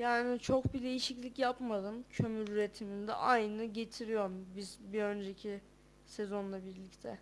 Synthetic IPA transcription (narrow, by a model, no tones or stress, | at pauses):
jaːnit͡ʃʰo̞kbid̪e̞jiʃiclʲicjapmad̪ˠɯmcʰø̞myɾyɾe̞t̪ʰimind̪ɛ̰ʔajnɯɟe̞t̪ʰiɾijo̞ɾmbizbiø̞nd͡ʒe̞cʰi | sezo̞nlˠabiɾlʲict̪ʰɛ